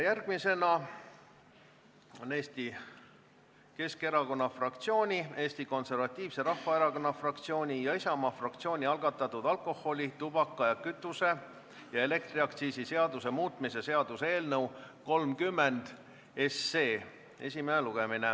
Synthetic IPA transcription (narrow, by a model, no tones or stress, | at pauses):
jærɡ̥mise̞nɑ | one̞ːst̪i | ke̞ske̞ɾɑko̞nːɑfrɑk̚t̪sio̞ːnʲie̞ːst̪iko̞nse̞rvɑt̪ʲːˑiːv̥se̞rɑhfɑeɾɑko̞nːɑfrɑk̚t̪sio̞ːnʲijɑisɑmɑfrɑkt̪sio̞ːnʲiɑlɡ̥ɑt̪ːˑɑt̪ːˑud̪̥ɑlko̞hːo̞lʲit̪ub̥ɑkːˑɑjɑkyt̪ːˑuse̞ | jɑe̞le̞k̚t̪ɾiɑkt̪siːsise̞ɑd̪use̞muːt̪ˑmise̞se̞ɑd̪̥useeːlnɤwko̞lmkymːend̪̥ | e̞sːe̞ː | e̞̰sʲimeeluɡ̥emine